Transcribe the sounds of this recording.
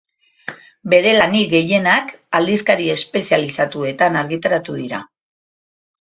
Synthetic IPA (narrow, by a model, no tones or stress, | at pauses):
be̞ɾe̞laniɣe̞je̞nakald̪iskaɾie̞spe̞sialisat̪ue̞t̪anaɾɣit̪aɾat̪uðiɾa